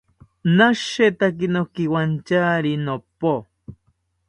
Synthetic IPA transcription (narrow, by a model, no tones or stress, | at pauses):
naʃet̪ak̬inokiwant͡ʃaɾinopo